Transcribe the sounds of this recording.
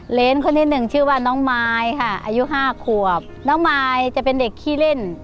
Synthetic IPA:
le˧˥˨nkʰo˧˥˨nhʰe˧t̪̚nɯ˨˩ŋt͡ɕʰɯː˧˩waː˧˩nɔː˧˥ŋmaː˧jkʰa˧˩ʔa̰˧ju˧˥ʔɦaː˧˩kʰu˨˩ɐp̚nɔː˧˥˦ŋmaː˧jt͡ɕa˨˧˩ʔpe˧˨nde˨˩kʰːiː˧˩le˧˥˨n

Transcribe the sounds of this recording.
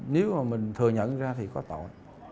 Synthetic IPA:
ne˨˦wmaː˨˩mï˨˩ŋ̟t̪ʰɨ˨˩əɲə̰˧˨nzaː˧t̪ʰi˨˩kɔ˨˦t̪o̰˧˨j

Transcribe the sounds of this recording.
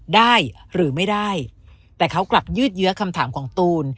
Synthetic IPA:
daː˥˩jɾɯː˩˦ma˥˩jdaː˥˩j | t̪ɛː˨˩kʰa˦˥wkla˨˩p̚jɯː˥˩t̪̚jɯ˦˥ɐkʰa˧mt̪ʰaː˩˦mkʰɔː˩˦ŋt̪uː˧n

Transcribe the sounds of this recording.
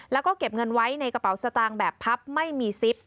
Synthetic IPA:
lɛː˦˥wkɔː˥˩ke˨˩p̚ŋɤ˧nwa˦˥jna˧jka˧pa˨˩˦wsa˧t̪aː˧ŋbɛː˨˩pʰːa˦˥p̚ma˥˩jmiː˧si˦˥p̚

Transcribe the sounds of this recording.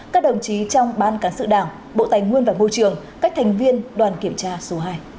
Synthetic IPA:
kaː˦˥k̚ɗə˨˩wŋ͡mt͡ɕi˨˦t͡ɕɔ˧wŋ͡mɓaː˨˦nkaː˨˦nsɨ̰˧˨ɗaː˧˩ŋ | ɓo̰˧˨t̪a˨˩jŋŋwi˧ənvaː˨˩mo˧jt͡ɕɨ˨˩əŋ | ka˦˥k̟̚t̪ʰa˨˩jŋ̟vi˧ənɗwaː˨˩nki˧˩əmt͡ɕaː˧so˨˦ɦaː˧j

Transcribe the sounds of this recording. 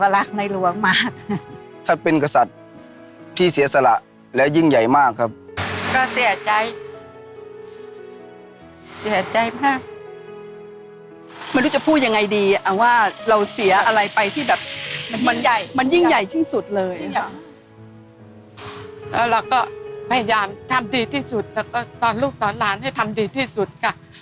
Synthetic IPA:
ka˧la˦˥k̚na˧jlu˧˩˥ɐŋmaː˥˩k̚t̪ʰa˦˥˩pe˧nka˧sa˨˩t̪̚ʰː | iː˥˩si˨˩˦ɐsa˧la̰˨˩ʔ | lɛː˦˥wji˥˩ŋja˨˩jmaː˥˩kʰːa˦˥p̚kɔː˥˩si˨˩˦ɐt͡ɕa˧j | si˨˩˦ɐt͡ɕa˧jmaː˥˩ | ma˧˩nɾu˦˥˩t͡ɕa˨˩pʰuː˥˩t̪̚ja˧ŋa˧jdiː˧˩ʔa˨˩waː˥˩ɾa˧wsi˩˦ɐʔʔa˧ɾa˧jpa˧jt̪ʰiː˥˩bɛː˨˩p̚ma˧nja˨˩jma˧nji˥˩ŋ˩ja˨˩jt̪ʰiː˥˩su˨˩t̪̚lɤː˧j | lɛ̰ː˦˥˩wɾa˧wkɔː˥˩pʰa˧ja˧jaː˧mt̪ʰa˧mdiː˧t̪ʰiː˥˩su˨˩t̪̚lɛː˦˥wkɔː˥˩t̪ɔː˧nluː˥˩p̚t̪ɔː˨˦nlaː˦˥nha˥˩jt̪ʰa˧mdiː˧t̪ʰiː˥˩su˨˩t̪̚kʰa˥˩

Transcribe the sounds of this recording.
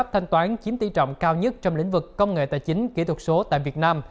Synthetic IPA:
p̚t̪ʰa˧jŋ̟t̪waː˨˦nt͡ɕi˨˦əmt̪i˧˩t͡ɕɔ̰˧˨wŋ͡mkaː˧wɲə˦˥t̚t͡ɕɔ˧wŋ͡mlḭ̈˧˥˨ŋ̟vɨ˨˩kːə˧wŋ͡mŋḛ˧˨t̪aː˧˩jt͡ɕï˨˦ŋ̟ki˧˥˩t̪ʰwə˨˩t̚so˨˦t̪a̰ː˧˨jvi˨˩ət̚naː˧m

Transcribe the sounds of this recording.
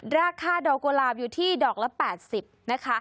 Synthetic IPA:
ɾaː˧kʰaː˧dɔː˨˩kːoː˧laː˧˩p̚juː˨˩t̪ʰiː˥˩dɔː˨˩k̚lɛ˦˥pɛː˨˩t̪̚si˨˩p̚na˦˥kʰa˦˥

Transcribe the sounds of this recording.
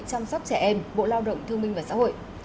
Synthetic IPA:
t͡ɕa˧wŋ͡msɔ˦˥wk͡p̚t͡ɕɛ˧˩ʔɛ˧mɓo̰˧˨laː˧wɗə̰˧˨wŋ͡mt̪ʰɨ˧əŋmï˧ŋ̟vaː˨˩sa̰ː˧˥ho̰˧˨j

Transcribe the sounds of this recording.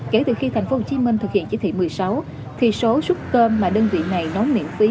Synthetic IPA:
ke˧˩t̪ɨ˨˩xi˧t̪ʰa˨˩jŋ̟fo˧˦ho˧t͡ɕi˨˦mï˧ŋt̪ɨ˨˩hḭ˧˨ənt͡ɕi˧˥˦t̪ʰḭ˧˨˩mɨ˨˩əjsa˨˦w | t̪ʰi˨˩so˨˦su˦˥t̚kəː˧mːaː˨˩ɗəː˧nzḭ˧˨əna˨˩jnɔ˨˦wnḭ˧˨əmfi˨˦

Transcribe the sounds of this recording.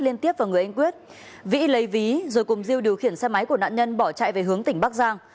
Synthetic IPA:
li˧ənt̪i˦˥əp̚vaː˨˩ŋɨ˨˩əjʔa˧ŋk̬wi˦˥ət̚ | vḭ˧˥lə˨˦jvi˨˦zo˨˩jkʊ˨˩ŋ͡mzi˧əwɗi˨˩əwxi˧˩ənsɛ˧ma˨˦jku˧˩əna̰ː˧˨ɲə˧nɓɔ˧˩t͡ɕa̰ː˧˨jve˨˩ɦɨ˨˦əŋt̪ï˧˩ŋ̟ɓaː˦˥k̚zaː˧ŋ

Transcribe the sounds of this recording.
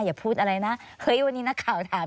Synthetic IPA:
jaː˨˩pʰuː˥˩t̪̚ʔa˧a˧jna˦˥hɤ˦˥jwa˧nːiː˦na˦˥kʰːaː˨˩wt̪ʰaː˨˩˦m

